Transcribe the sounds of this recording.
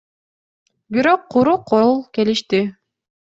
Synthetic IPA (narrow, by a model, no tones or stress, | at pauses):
biɾo̞qʰːuɾuqʰːolˠke̞liʃt̪i